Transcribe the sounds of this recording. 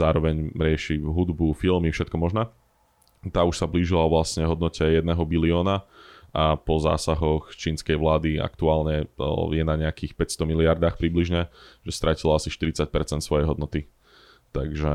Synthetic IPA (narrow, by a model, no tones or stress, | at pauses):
zaːɾɔʋɛɲɾɪɛʃiɦud̪bufilˠmifʃɛt̪̚kɔmɔʒnaː | t̪aːuʃsabliːʒilaɔʋlasɲɛɦɔd̪nɔcɛjɛd̪nɛɦɔbiliɔːnaapɔza̰ːsaɦɔxt͡ʃiːnskɛjʋlaːd̪ia̰kt̪uaːlɲɛjɛnaɲɛakiːxpɛcst̪ɔmiliaɾd̪aːxpɾibliʒɲɛʒɛst̪ɾacilɔasiʃt̪iɾit͡sac̚pɛɾtt͡sɛnt̪sʋɔjɛjɦɔd̪nɔt̪i | t̪aɡʒɛ